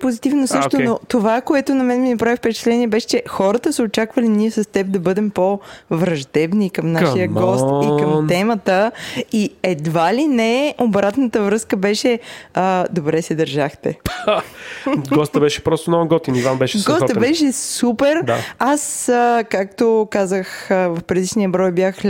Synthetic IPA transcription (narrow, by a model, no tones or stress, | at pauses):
pozit̪ivnosɤʃkt̪onot̪ovakoɛt̪onɐmɛnɛminɐpɾavifpɛt͡ʃɛ̥t̪lɛniɛbɛʃɛ̥t͡ʃɛxɔɾət̪əsəot͡ʃakvəliniɛsɐst̪ɛp̚d̪ɐbɤd̪ɛmpovɾɐʒd̪ɛbnikəmnaʃijəɡɔstikəmt̪ɛmət̪əiɛd̪valinɛobɾat̪nət̪əvɾɤskəbɛʃɛəd̪obɾɛsɛd̪ɐɾʒaxt̪ɛ | ɡɔst̪əbɛʃɛ̥pɾɔst̪ʊnɔɡɔt̪inivanbɛʃɛɡɔsbɛʃɛsupɛɾd̪a̰asəkak̚t̪okazəxəvɐfpɾɛd̪iʃniəbɾɔjbjax